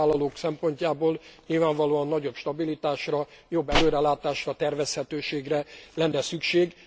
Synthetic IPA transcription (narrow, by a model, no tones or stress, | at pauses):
aːlːɒloːksɛmpo̞ɲcaːboːlɲilvaːɱvɒloːɒnːɒɟo̞pʃt̪ɒbilit̪aːʃrɒ | jo̞bːɛløːɾɛlaːt̪aːʃrɒt̪ɛrvɛshɛt̪øːʃeːɡrɛlɛnːɛsykʃeːɡ